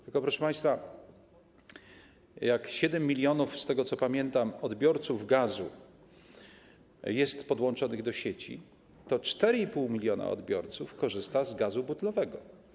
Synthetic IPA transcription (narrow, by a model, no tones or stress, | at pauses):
t̪ɘlkɔpɾɔʂɛpaj̃st̪fa | jakɕɛd̪ɛmːʲilʲjɔnufst̪ɛɡɔt̪sɔpamʲjɛnt̪amɔd̪bʲjɔɾt̪suvɡazṵ | jɛst̪pɔd̪wɔnt͡ʂɔnɘɣd̪ɔɕet͡ɕḭ | t̪ɔt͡ʂt̪ɛɾɘipuwmʲilʲjɔna̰ɔ̰d̪bʲjɔɾt̪sufkɔʐɘst̪azɡazubut̪lɔvɛɡɔ